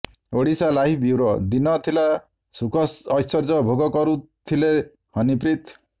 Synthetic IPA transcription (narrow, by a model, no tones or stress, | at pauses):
oɽisalaɦibiwɾɔd̪inɔt̪ʰila | sukɔsɔjsɔɾd͡ʒɔbʱoɡɔkɔɾut̪ʰile | hɔnip̬ɾit̪